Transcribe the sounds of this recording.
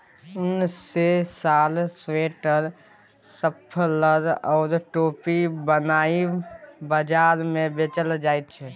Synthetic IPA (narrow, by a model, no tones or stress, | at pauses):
ʊnesaːlsweːʈəɾ | səpʰləd̪ɔːɾʈoːpibənaːibəd͡ʒaːɾmẽbet͡ʃəld͡ʒaːit̪̚t͡ʃʰɛ